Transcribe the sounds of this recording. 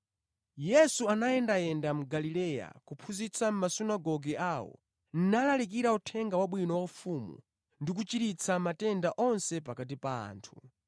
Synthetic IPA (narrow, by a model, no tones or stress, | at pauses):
jɛsuanaɛndajɛndam̩ɡalilɛja̰kupʰuzit͡sʰam̩masunaɡɔɡɛaːwɔ̰ | n̩nalalik̬iɾautʰɛŋɡawaɓwinɔwaufumṵ | ndik̬ut͡ʃiɾit͡sʰamatɛndaʔɔnsɛpakat̬ipa̰ːntʰu